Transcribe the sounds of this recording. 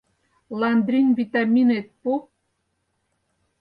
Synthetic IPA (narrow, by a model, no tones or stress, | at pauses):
lˠɑnd̪ɾʲinvit̪ɑmʲinet̪̚pu